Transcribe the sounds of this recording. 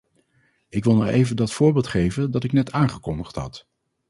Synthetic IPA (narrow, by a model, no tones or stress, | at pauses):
ɪkʋɪlˠnɔχejvəndɑtfʊːɹbɪːlˠtχejvəndɑtɪknɛtaːŋχəkɔndəχtɦɑ̰t